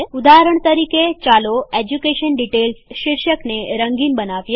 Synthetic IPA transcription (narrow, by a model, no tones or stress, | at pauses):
ud̪aɦɾəɳ̃t̪əɾiket͡ʃaloed͡ʒukeʃənɖiʈelsʃɪɾʃəkneɾəŋɡinbənaʋje